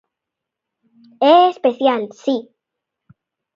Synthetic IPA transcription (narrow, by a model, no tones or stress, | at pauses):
eespeθjalsi